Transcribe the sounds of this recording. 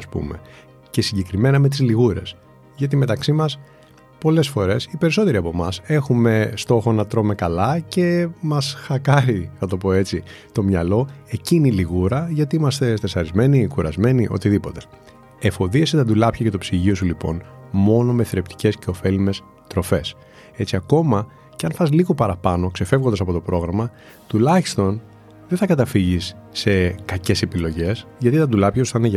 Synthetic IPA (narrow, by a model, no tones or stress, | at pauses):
spṵme̞̰ | ce̞siɲɟekɾime̞nɐme̞t̪̬izliɣuɾe̞̰s | ʝɐt̪ime̞t̪ɐksimɐs | po̞le̞sfo̞ɾe̞sipe̞ɾiso̞t̪e̞ɾiɐpo̞mɐse̞xume̞st̪o̞xo̞nɐt̪ɾo̞mekɐlɐce̞mɐsxɐkɐɾiθɐt̪o̞po̞e̞t͡sit̪o̞mɲɐlo̞e̞ciniliɣuɾɐʝɐt̪iimɐst̪e̞st̪e̞sɐɾizme̞nikuɾɐ̰zme̞niʔo̞̰t̪iðipo̞t̪e̞̥ | efo̞ðiesiθɐd̪ulɐpçɐcet̪o̞psiʝio̞sulipo̞̰nmo̞no̞me̞θɾe̞pt̪i̥ce̞sce̞o̞fe̞lime̞s | t̪ɾo̞fe̞s | e̞t͡siɐko̞mɐ | ceɐnfɐzliɣopɐɾɐpɐno̞kse̞fe̞vɣo̞nd̪ɐsɐpo̞t̪o̞pɾo̞ɣɾɐmɐ | t̪ulɐçi̥st̪o̞n | ðenθɐkɐt̪ɐfiʝisːe̞kɐce̞se̞pilo̞ʝe̞sʝɐt̪iθɐd̪ulɐpçosu̥θɐneʝ